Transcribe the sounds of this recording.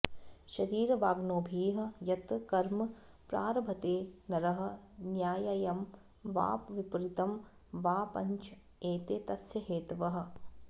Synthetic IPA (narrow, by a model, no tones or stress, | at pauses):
ʃɐɾiːɾʋaːɡnoːbʱiːɦɐ̆jɐt̪kɐɾmɐ | pɾaːɾɐbʱɐt̪eːnɐɾɐɦɐ̆njaːjɐjɐm | ʋa̰ːpʋipɾit̪ɐm | ʋaːpɐ̰ɲt͡ʃ | eːt̪eːt̪ɐsjɐɦeːt̪ʋɐɦɐ̆